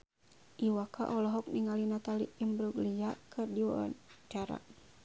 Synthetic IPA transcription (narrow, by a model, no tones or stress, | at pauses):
ʔiwaka̰ʔɔlɔɦɔk̚niŋalinat̪alḭimbɾuɡlijakʰɨrdiwa̰wa̰t͡ʃaɾa̰